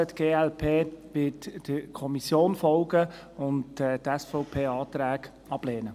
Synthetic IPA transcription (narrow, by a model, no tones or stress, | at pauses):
ətɡ̥eːɛlpʰeːʋɪtd̥əkʰɔmisjoːnfɔʊɡə | ʊntɛːtɛsfɔʊpʰeːɑːt̪ɾæːɡ̥ | ɑb̥lɛːnə